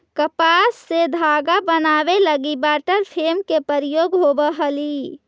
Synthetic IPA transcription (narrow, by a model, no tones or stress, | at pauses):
kəpasːed̪ʱaɡabənabeləɡibaʈəɾpʰemkepəɾijoɡɦobəɦəli